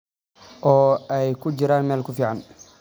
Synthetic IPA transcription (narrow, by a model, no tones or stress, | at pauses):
ʔɔːɛjkʰʊd͡ʒɪɾaːnmɛːlkʰʊfiːʕan